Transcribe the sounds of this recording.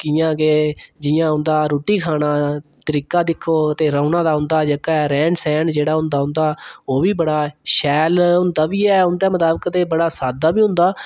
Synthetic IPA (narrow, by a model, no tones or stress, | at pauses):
kɪjãːɡeːd͡ʒɪjãːɦʊnd̪aːɾoːʈiːkʰaːnaːt̪əɾiːkaːd̪ɪkʰːoːt̪eːɾəːnãːd̪aːɦʊ̃nd̪aːd͡ʒəkaɛːɾɛ̃ːɳsɛːnd͡ʒeːɽaːɦʊ̃nd̪aːɦʊnd̪aːoːʋiːbəɽaːʃɛːlɦʊ̃nd̪aːʋiːɛːʊnd̪eːmət̪aːbəkt̪eːbəɽaːsaːd̪aːbiːɦʊ̃nd̪aː